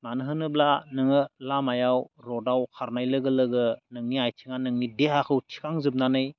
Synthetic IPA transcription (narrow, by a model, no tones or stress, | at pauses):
manɯɦɯnɯblanɯŋɯlamajawɾɔdawkʰaɾnajlɯɡɯlɯɡɯnɯŋniajtʰiŋanɯŋnideɦakʰɯwtʰi̥kʰaŋzɯp̚nanɯj